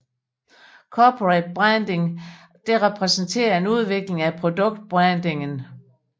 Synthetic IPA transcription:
kʰɒːpʰoʁed̥̚b̥ʁand̥e̝ŋ | d̥e̝ʁɛpʰʁɛsn̩t͡sʰe̝̰ːɐe̝nuð̞ˠʋe̝ɡ̥le̝ŋæpʰʁo̝d̥ɔ̽ɡ̥̚d̥̚b̥ʁand̥e̝ŋn

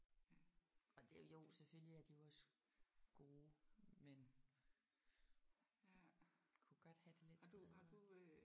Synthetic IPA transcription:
ɒ̽d̥jo̝ːseføl̰liæɐd̥ijo̝ɒ̽sə | ɡ̥o̝ːmen | kʰuɡ̥ɒ̽d̥hæd̥e̝le̝dd̥u

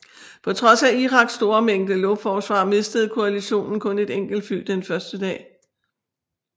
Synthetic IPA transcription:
pʰɒ̽t͡sʰʁɒ̽sæiʁɑ̈ɡ̥sd̥o̝ːɐmeŋ̰d̥əlɔʊfɒːsʋɑ̰̈me̝sd̥əð̞̩ˠkʰo̝æliɕo̝̰ːnn̩kʰɔ̽ne̝d̥eŋ̰ɡ̥l̩d̥fyld̥enfɶɐsd̥əd̥ɛ̰ː

